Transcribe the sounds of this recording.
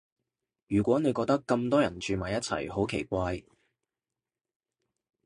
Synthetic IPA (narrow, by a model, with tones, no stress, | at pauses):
jyː˨˩kʷɔː˨˥ne˨˧jkɔː˧k̚t̪ɐ˥kːɐ˧mt̪ɔː˥jɐ˨˩nt͡ʃyː˧maː˨jɐ˥t̚t͡sʰɐ̰˨˩jho˨˥wkʰḛ˨˩jkʷaː˧j